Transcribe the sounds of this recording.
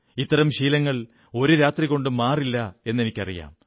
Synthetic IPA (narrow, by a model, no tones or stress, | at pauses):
it̪ːɐɾɐmɕiːlɐŋːɐɭ | o̞ɾuɾaːt̪riɣo̞ɳɖɨmaːrilːɐe̞nːe̞nikʲːɐ̰rḭja̰ːm